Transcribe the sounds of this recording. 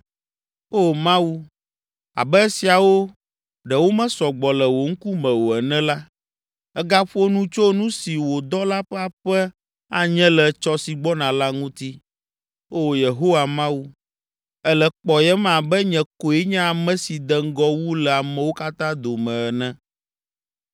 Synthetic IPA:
o˦mã˦wu˦ | a̰˨bɛ˦ɛ˦si˨a˨wo˦ | ɖɛ˨wo˦mɛ̃˦sɔ˨ɡ͡bɔ˨lɛ˨wo˨ŋ̩˦ku˦mɛ̃˨wo˨ɛ˨nɛ̃˦la˦ | ɛ˦ɡa˦ɸo˦nũ˦t͡ʃo˦nũ˦si˨wo˨d̪ɔ˦la˦ɸɛ˦a˨ɸɛ˦ | a˨ɲɛ̃˦lɛ˨t͡ʃɔ˦si˨ɡ͡bɔ˦nã˨la˦ŋũ˦t̪i˦ | o˦˨je˨ɦo˦wa˨mã˦wu˦ | ɛ˦lɛ˨k͡pɔ˨jɛ˦mã˨bɛ˦ɲɛ̃˨ko˨ɛ˦ɲɛ̃˦a˨mɛ̃˦si˨d̪ɛ˨ŋ̩˦ɡɔ˦wu˦lɛ˨a˨mɛ̃˨wo˦ka˦t̪ã˦d̪o˨mɛ̃˨ɛ˨nɛ̃˦

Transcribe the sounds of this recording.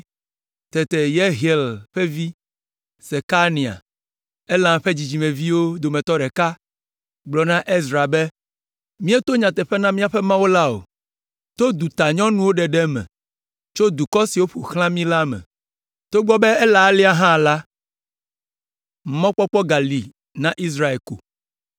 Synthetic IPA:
t̪ɛ˨t̪ɛ˨je˦ɦi˨e˨lɸɛ˦vi˦ | sɛ˨ka˦nĩ˨a̰˨ | ɛ˦lã˨ɸe˦d͡ʑi˨d͡ʑi˨mẽ˨vi˦wo˦d̪o˨mɛ̃˨t̪ɔ˦ɖɛ˨ka˦ | ɡ͡blɔ˨nã˦ʔe˦zɾa˨bɛ˦ | mĩ˦ɛ˦t̪o˦ɲã˨t̪ɛ˨ɸɛ˦nã˦mĩ˦a˨ɸɛ˦mã˦wo˦la˦o̰˨ | t̪o˦d̪u˨t̪a˨ɲɔ̃˦nũ˦wo˦ɖɛ˨ɖɛ˦mɛ̰̃˨ | t͡ʃo˦d̪u˨kɔ˦si˨wo˦ɸu˨xlã˦mĩ˦la˦mɛ̰̃˨ | t̪o˦ɡ͡bɔ˦bɛ˦ɛ˦la˨˦li˦a˦ɦã˦˨la˦ | m̩˨mɔ̃˦k͡pɔ˦k͡pɔ˦ɡa˨li˨ | nã˦ʔi˦s̬ɾa˦e˨ko̰˨

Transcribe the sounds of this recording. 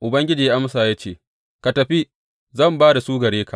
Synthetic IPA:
ʔʊ˨bɐ˦ŋɡʲɪ˦d͡ʒiː˨ja˦ʔa˦msaː˨jaː˦t͡ʃeː˦˨ | ka˨tɐ˨ɸi˦ | zɐ˦˨mbaː˦da˨suː˦ɡɐ˨ɽeː˦kʰa˨ʔ

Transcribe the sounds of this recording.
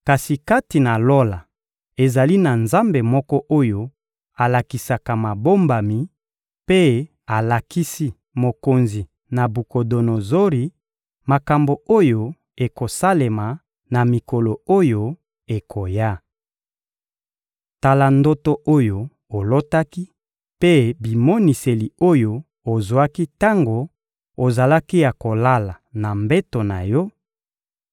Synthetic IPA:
ka˨si˨ka˦ti˨na˨lo˦la˨ | e˨za˨li˦na˨nza˦mbe˨mɔ˦kɔ˦ʔo˦jo˦ | a˨la˨ki˨sa˨ka˨ma˨bo˦mba˨mi˨ | pe˦ | a˨la˨ki˦si˦ | mo˨ko˨nzi˨ | na˨bu˨ko˨do˨no˨zo˦ʁi˨ | ma˨ka˨mbo˨o˦jo˨ | e˨ko˨sa˦le˨ma˨ | na˨mi˨ko˨lo˨o˦jo˦ | e˨kʰo˨ja˦ | ta˨la˨ndo˦to˦ʔo˦jo˨ | o˨lo˦ta˦ki˦ | pe˦bi˨mo˦ni˨se˨li˨o˦jo˨ | o˨zwa˦ki˦ta˦ŋɡo˨ | o˨za˨la˦ki˦ja˨ko˨la˦la˨na˨mbe˦to˨na˨jɔ˦

